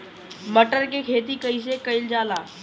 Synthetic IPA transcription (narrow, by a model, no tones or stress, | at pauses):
məʈəɾkekʰet̪̬iːkəis̬ekəild͡ʑaːlaː